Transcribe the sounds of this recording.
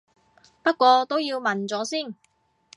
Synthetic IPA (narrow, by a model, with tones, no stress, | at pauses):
pɐ˥t̚kʷɔː˧t̪o˥wjiː˧wmɐ˨˩nt͡sɔː˨˥siː˥˩n